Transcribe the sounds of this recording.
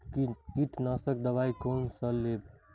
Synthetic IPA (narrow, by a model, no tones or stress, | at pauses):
kkiʈʰnasək̚d̪əβaikonsəleb̚